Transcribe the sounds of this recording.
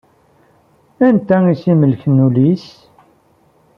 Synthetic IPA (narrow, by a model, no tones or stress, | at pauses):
ænt̪æisiməlçənːulis